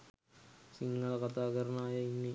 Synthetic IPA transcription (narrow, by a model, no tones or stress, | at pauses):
siŋːɐɭɐkɐt̪aːɡɐɾɐnaːjɐinːi